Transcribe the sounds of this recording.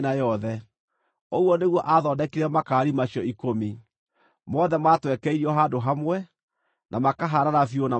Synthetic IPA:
najɔðɛ | oɣwɔneɣwɔʔaðɔːdɛkeɾɛmakaːɾimaɕjɔikomi | mɔðɛmatwɛkɛiɾiɔɦadoɦamwɛ | nʔamakaɦaɾaɾafiona

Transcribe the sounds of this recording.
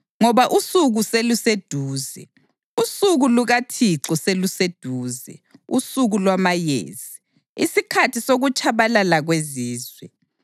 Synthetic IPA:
ŋɔβaʔusuɣuselused̥ʱuːzɛ̰ | usuɣuluɣatʰiǁɔselused̥ʱuːzɛ̰usuɣulwamajḛːz̥i | isikʰatʰisoɣut͡ʃʰʼaβalalaɣweziːzwɛ

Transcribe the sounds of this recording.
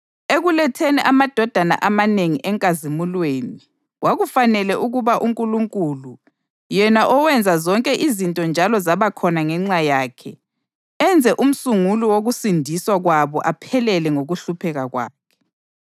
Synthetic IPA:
eɣulɛtʰɛnɛʔamad̥ʱɔd̥ʱana̰ʔamaneŋiʔɛŋkʼazimulweːni | wʔaɣufanɛlɛʔuɣuβaʔuŋkʼuluŋkʼulu | jɛnaʔɔwɛnd͡zʱazɔŋkʼɛʔizintʼɔnd͡ʒʱalɔzaβakʰɔnaŋɛŋ͡ǀajaːkʰɛ | ɛnd͡zʱɛʔum̩suŋuluwoɣusindʱiswaɣwaβɔʔapʰɛlɛlɛŋoɣuɬupʰɛɣaɣwa̰ːkʰɛ̥

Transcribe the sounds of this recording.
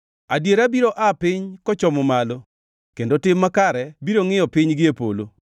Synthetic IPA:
adjeɾabiɾoʔapɪɲkɔt͡ʃɔmɔmalo | kendotɪmːakaɾɛbiɾoŋɪjɔpɪɲɡɪepo̰lo̰

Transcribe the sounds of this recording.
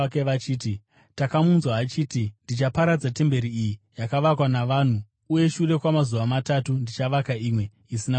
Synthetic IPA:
keʋat͡ʃiːti | takamunzwaːt͡ʃiːtindit͡ʃapaɾad͡zate̞mbe̞ɾiijijakaʋakwanaʋaːn̤uː | je̞ʃure̞kwamazuʋamatatundit͡ʃaʋakaiːmwe̞ | isina

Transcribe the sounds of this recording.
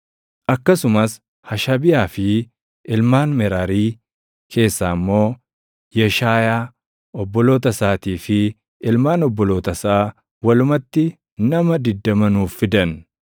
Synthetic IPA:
ʔɐkːɐsʊmɐs | hɐʃɐbɪjaːfɪ | ɪlmaːnmɛɾaːɾiː | kʰe̞ːsːaːɪmːo̞ː | jɛʃaːjaː | ɔbːɔlo̞ːt̪ɐsaːt̪iːfɪ | ɪlmaːnɔbːɔlo̞ːt̪ɐsaː | wɐlʊmɐt̪ːɪ | nɐmɐd̪ɪd̪ːɐmɐnuːfːɪd̪ɐn

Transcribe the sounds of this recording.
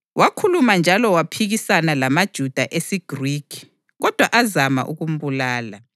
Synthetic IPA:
wakʰulumand͡ʒʱalɔwapʰiɣisanalamad̥ʒ̥ʱud̥ʱaʔesiɡ̥rikʰi̥ | ɣɔd̥ʱwaʔazama̰ʔṵɣum̩βulaːla

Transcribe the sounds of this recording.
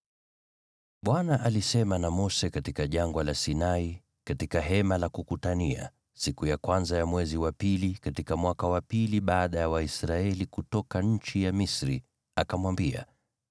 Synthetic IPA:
ɓwanaʔalisɛmanamɔsɛkatikaʄaŋɡwalasinai | katikaɦɛmalakukutania̰ | sikujakwanzajamwɛziwapilikatikamwakawapiliɓaːɗajawaisɾaɛlikutɔkaɲ̩t͡ʃijamisɾi | akamwambia̰

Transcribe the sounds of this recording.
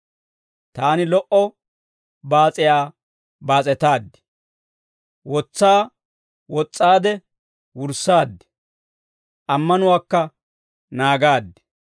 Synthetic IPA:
t̪aːnɪlɔʔɔ | baːt͡sʼɪjaː | baːt͡sʼɛt̪aːd̪ːɪ̥ | wɔt͡sːaː | wɔt͡sʼːaːd̪ɛ | wʊɾsaːd̪ːɛ̥ | ʔɐmːɐnʊwaːkːɐ | naːɡaːd̪ːɛ̥

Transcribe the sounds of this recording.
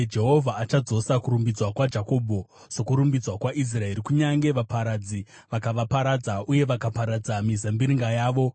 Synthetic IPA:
d͡ʒe̞ɦo̞vʱaːt͡ʃad͡zo̞sakuɾumbid͡zwakwad͡ʒako̞ːbʱo̞ | so̞kuɾumbid͡zwakwaʔis̬rae̞ɾikuɲaŋɡe̞ʋapaɾad͡zi | ʋakaʋapaɾad͡zaʔuje̞ʋakapaɾad͡zamizambiɾiŋɡajaːʋo̞

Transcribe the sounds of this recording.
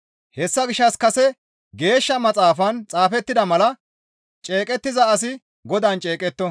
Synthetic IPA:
hɛsːɐɡɪʃːɐskɐsɛ | ɡe̞ːʃːɐmɐt͡sʼaːfɐnt͡sʼaːfɛt̪ːɪd̪ɐmɐlɐ | t͡ʃʼe̞ːkʼɛt̪ːɪzɐːs̬ɪ | ɡɔd̪aːnt͡ʃʼe̞ːkʼɛt̪ːɔ

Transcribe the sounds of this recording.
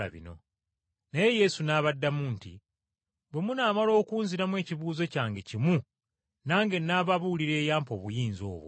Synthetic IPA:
a̰βḭno̞̰ | neje̞je̞sunaːβadːamuːntḭ | βwe̞munaːmalo̞ːkuːnziɾamwe̞ːciβuːze̞caːŋɡecimu | naːŋɡe̞nːaβaβuliɾe̞ːjaːmpo̞ːβujiːnzo̞̰ːβo̰

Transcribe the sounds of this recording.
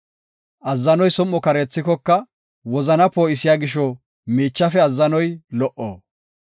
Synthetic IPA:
ʔɐzːɐnɔjsɔmːɔkɐɾɛt͡sːɪkɔkːɐ | wɔzɐnɐpoːʔɪsɪjaːɡɪʃ̬ɔ | miːt͡ʃːɐfɛɐzːɐnɔjlɔʔo̰ː

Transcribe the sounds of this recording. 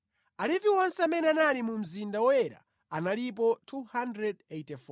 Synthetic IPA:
aliviwɔnsɛamɛnɛanalimum̩zindawɔjɛɾa̰ | analip̬ɔtʰuhandɾɛdejtɛfɔ

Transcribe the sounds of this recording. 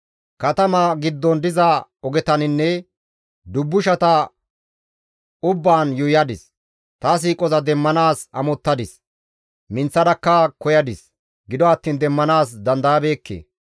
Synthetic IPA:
kɐt̪ɐmɐɡɪd̪ːɔnd̪ɪzɐɔɡɛt̪ɐnɪnːɛ | d̪ʊbːʊʃɐt̪ɐ | ʊbːaːnjʊjɐd̪ɪs | t̪ɐs̬iːkʼɔzɐd̪ɛmːɐnaːsɐmɔt̪ːɐd̪ɪs | mɪnt͡sːɐd̪ɐkːɐkɔjɐd̪ɪs | ɡɪd̪ɔɐt̪ːiːnd̪ɛmːɐnaːs̬d̪ɐnd̪ɐjɐbe̞ːkːḛː

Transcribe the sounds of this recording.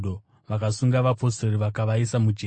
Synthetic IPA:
o | ʋakasuŋɡaʋapo̞seriʋakaʋaisamud͡ʒe

